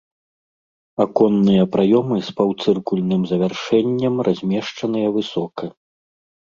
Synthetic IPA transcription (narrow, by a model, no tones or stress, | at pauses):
akɔnːɨjɐpɾʔajɔmɨspɐwt̪sɨrkulʲnɨmzɐvʲarʂɛnʲːɐmrʔazʲmʲɛʂt͡ʂɐnɨjɐvɨsɔkɐ